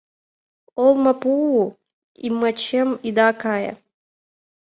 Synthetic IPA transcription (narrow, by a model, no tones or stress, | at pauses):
ɔlˠmɐpuu | ḭmɐt͡ɕɛmid̪akajɐ̰